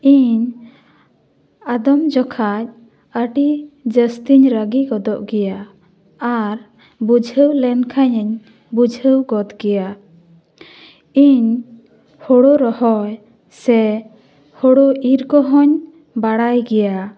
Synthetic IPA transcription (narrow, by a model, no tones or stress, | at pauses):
iɲ | ad̪ɔmd͡ʒɔkʰac̚ | əʈid͡ʒəst̪iɲɾəɡiɡɔd̪ɔʔɡɛjaː | ɾ | bud͡ʒʱəwlɛnkʰaɲɛɲ | bud͡ʒʱəwɡɔd̪ɡɛja | iɲ | hɔɽɔɾɔhɔj | sɛ | hɔɽɔʔiɾkɔɦɔɲ | baɽajɡɛja